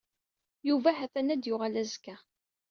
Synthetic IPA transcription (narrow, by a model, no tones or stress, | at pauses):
juvæhæθænæd̪jʊʁalæzkæ